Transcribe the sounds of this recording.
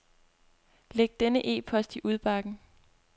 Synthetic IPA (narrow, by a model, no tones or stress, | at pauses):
leɡ̥̚d̥enəʔe̝̰ːpʰɒ̽sd̥iʔuð̞ˠb̥ɑ̈ɡ̥n̩